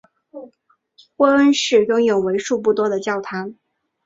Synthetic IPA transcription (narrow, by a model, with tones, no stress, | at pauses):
kwɔ˥ə˥nʂɻ̩˥˩jʊ˥ŋjo˨˩ʊwe˧˥ɪʂu˥˧p̬u˥˩t̪wɔ˥d̪ə˨t͡ɕjɑ˥˩ʊt̪ʰa˧˥n